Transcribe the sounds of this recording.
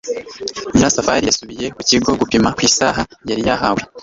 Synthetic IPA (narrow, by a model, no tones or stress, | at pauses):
imɾasafa̰ɾijasuβije̞kuciɡo̞ɡupimakwiːsa̰ːɦajaɾijaɦawa